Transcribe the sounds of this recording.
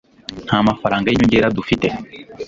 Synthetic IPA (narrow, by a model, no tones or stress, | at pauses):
hamafaɾaːŋɡeɲũɲɟeːɾadufitɛ